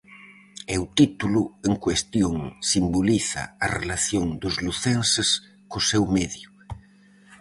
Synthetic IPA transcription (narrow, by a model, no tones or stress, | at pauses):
ɛwt̪it̪ulʊeŋkwest̪joŋsimboliθa̰arelaθjoŋd̪ʊzluθɛnses | kʊsewmeðjʊ